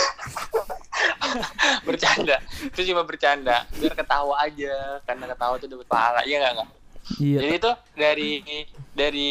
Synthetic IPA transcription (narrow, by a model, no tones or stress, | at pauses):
bərt͡ʃandat̪ʊt͡ʃumabərt͡ʃandabiarkət̪aɦuad͡ʒakarnakət̪aɦut̪udapət̪̚pa̰ɦa̰la̰ʔijaŋɡaʔŋɡa | d͡ʒadiːt̪u | daɾidaɾi